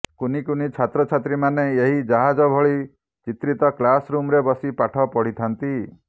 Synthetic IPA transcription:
kunikunit͡ʃʰat̪ɾɔt͡ʃʰat̪ɾimaneeɦid͡ʒaɦad͡ʒɔbʱɔɭi | t͡ʃit̪ɾit̪ɔklasɾumɾebɔsipaʈʰɔpɔɽ̤it̪ʰant̪i

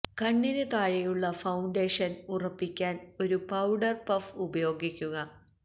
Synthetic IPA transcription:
kɐɳːinɨk̪aːɻijuɭːɐfɐwɳɖeːʂɐnurɐpːikʲːaːno̞ɾupɐwɖɐrpɐfubɐjo̞ːɡikʲːuɣɐ

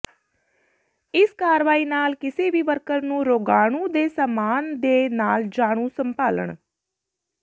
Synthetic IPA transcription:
ɪskaːɾʋaːiːnaːlkɪseːbiːʋəɾkəɾnũːɾoːɡaːɳũːd̪eːsaːmaːnd̪eːnaːld͡ʒaːɽ̃ũːsəmpaːlə̰ɳ

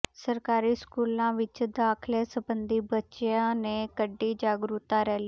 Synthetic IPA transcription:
səɾkaːɾiːskuːlãːʋɪt͡ʃd̪aːkʰleːsəbənd̪iːbətːʃjãːneːkəɖːiːd͡ʒaːɡɾut̪ãːɾɛːliː

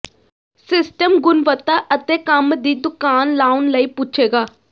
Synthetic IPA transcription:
sɪsʈəmɡʊnʋət̪aːʔət̪eːkəmd̪iːd̪ʊkaːnlaːʊnləiːput͡ʃʰeːɡaː

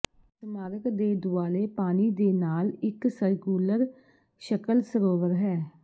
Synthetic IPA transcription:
smaːɾəkd̪eːd̪ʊaːleːpaːniːd̪eːnaːlɪksəɾkjuːləɾ | ʃəkəlsəɾoːʋəɾɦɛː

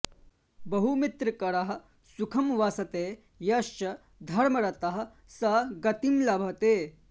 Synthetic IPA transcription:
bɐɦumit̪ɾɐkɐɽɐɦɐ̆ | sukʰɐmʋaːsɐt̪eː | jɐʃt͡ʃɐ | d̪ʱɐɾmɐɾɐt̪ɐɦɐ̆ | sɐɡɐt̪imlɐbʱɐt̪eː

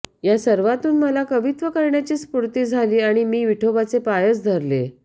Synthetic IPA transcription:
jasəɾʋat̪uːnməlakəʋit̪ʋəkəɾɳjat͡ɕiːspuɾt̪iːd͡zʱaliːaɽ̃imiːʋiʈʰobat͡sepajət͡sd̪ʱəɾlḛ

